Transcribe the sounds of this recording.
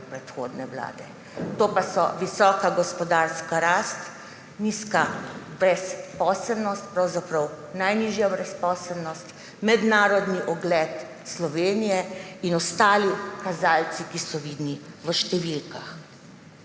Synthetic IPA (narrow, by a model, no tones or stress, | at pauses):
pɾɛt̪xo̰ːd̪nɛwla̰ːd̪ɛ | t̪oːpasɔ̰ʋisɔːkaɡɔspɔd̪aɾskaɾaːst̪ | niskabɾɛspɔːsəlnɔst̪̚pɾawzapɾɐw | najniːʒjabɾɛspɔːsəlnɔst̪ | mɛd̪naːɾɔd̪niʔɔɡlɛt̪ | slɔʋeːnijɛinɔst̪aːlikazaːlt̪sikisɔʋiːd̪niʋəʃt̪ɛʋilkax